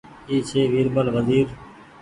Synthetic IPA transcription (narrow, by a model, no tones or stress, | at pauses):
iːt͡ʃʰeːʋiːɾbəlʋəziːɾ